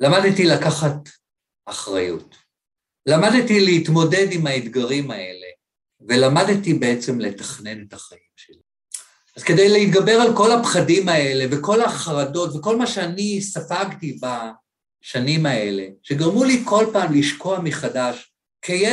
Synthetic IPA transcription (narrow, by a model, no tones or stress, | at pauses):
lamadtilakaχat | aχʁajṵt | lamadtileitmo̞de̞dimaed̪ɡaʁimae̞̰le̞̰ | velamadtibe̞et͡se̞mle̞taχne̞netaχaimʃeli | azke̞dejleit̚ɡabe̞ʁalko̞lapχadimae̞le̞veko̞laχaʁado̞tveko̞lmaʃeanisafaɡtiba | ʃanimae̞le̞̰ʃeɡaʁmulikʰo̞lpaːmliʃko̞amiχadaʃ | kʰeje